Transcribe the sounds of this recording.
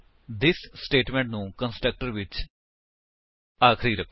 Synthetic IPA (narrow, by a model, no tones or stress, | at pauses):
d̪ɪssʈeːʈmɛ̃ɳʈnũːkə̃nsʈɾək̚ʈəɾʋɪt͡ʃ | aːkʰɾiːɾəkʰ